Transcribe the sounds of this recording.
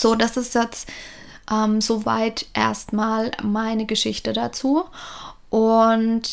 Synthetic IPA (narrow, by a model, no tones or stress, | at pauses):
z̥oːdasɪstjɛt͡s | ʔɛmzova̰ɪtʔḛːɐstmaːlmaɪnəɡəʃɪçtədat͡suːʔʊnt